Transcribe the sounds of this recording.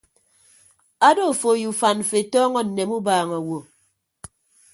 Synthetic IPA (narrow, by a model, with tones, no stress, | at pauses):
a˦do˦˨fo˨ju˨fa˨n̩˨fe˨tɔː˦ŋɔ˦n̩˨ne˨mu˦baː˨ŋa˨wo˨